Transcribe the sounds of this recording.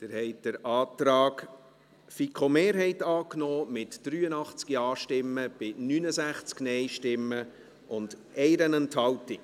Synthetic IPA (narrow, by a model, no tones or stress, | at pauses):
d̪̥ɪɾhɛɪt̚d̥əɾɑːtɾɑːk | fikʰomeːɾɦɛɪtɑːknoːmɪtd̥ɾyːənɑχt͡skiɑːʃtɪmːəb̥ɪnynəzæχt͡sknɛɪʃtɪmːə | ʔʊnd̥ʔɛɪɾənənthɑltɪk